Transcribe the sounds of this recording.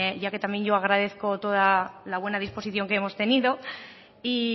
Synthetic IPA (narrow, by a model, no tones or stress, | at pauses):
ʝake̞t̪amje̞ɲɟo̞aɣ̞ɾaðe̞θko̞t̪o̞ðalaβwe̞naðisposiθjo̞ŋkeemo̞st̪e̞niðo̞ | i